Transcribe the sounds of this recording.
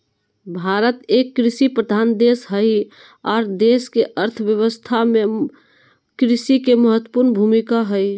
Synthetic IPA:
bʱaɾət̪ekːɾisipɾəd̪ʱand̪esɦəj | ɔːɾd̪eskeʔəɾt̪ʰʋjəwəst̪ʰame | kɾisikeməɦət̪wəpuɾnbʱumikaɦəj

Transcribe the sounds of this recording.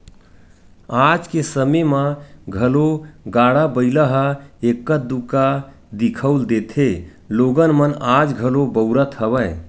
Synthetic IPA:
ad͡ʒkesəmeməɡʱəloɡaɽabəɪləɦəekːət̚d̪uka | d̪ikʰəwld̪et̪ʰe | loɡənmənad͡ʒɡʱəlobəʊɾət̪ɦəbəj

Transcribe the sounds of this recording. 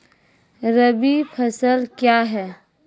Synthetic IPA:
ɾəbipʰɐsəlkjaɦɛː

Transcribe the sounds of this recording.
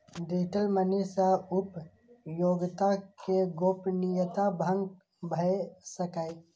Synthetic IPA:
d̪eːʈ̪əlmənisaʊp | joːɡt̪akeɡoːpnijət̪abʱə̃ŋɡ | bʱəesəkae

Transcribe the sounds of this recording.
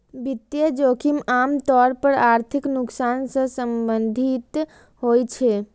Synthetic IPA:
bit̪jed͡ʒokʰimamt̪ɔɾpəɾaɾt̪ʰiknuksansə̃səmbənd̪ʱit̪ | hojt͡ʃʰɛ

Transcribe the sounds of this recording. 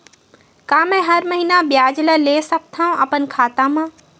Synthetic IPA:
kaːmɛ̃ɦɐɾməɦinabjaːd͡ʒləleːsək̚t̪ʰaõʔɐpənkʰaːt̪ãmãː

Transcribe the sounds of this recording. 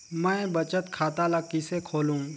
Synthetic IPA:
mə̃ebɐt͡ʃət̪kʰaːt̪alɐɡ̚kisekʰoːlũ

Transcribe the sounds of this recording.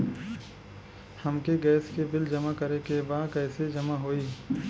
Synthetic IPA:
hɐmkeɡɛːskebɪld͡ʒɐmakəɾekebaːd̪kɛːsed͡ʒɐmaɦoːiː

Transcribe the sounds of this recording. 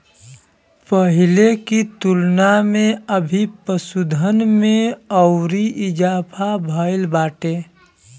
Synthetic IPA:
pəɦɪlekit̪ʊlnamẽəbʱipəsud̪ʱənmẽəʊɾiʔɪd͡ʒaːpʰabʱəɪlbaːʈeː

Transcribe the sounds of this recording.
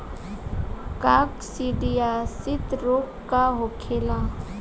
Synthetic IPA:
kaksiɖijasɪt̪ɾokːaɦokʰela

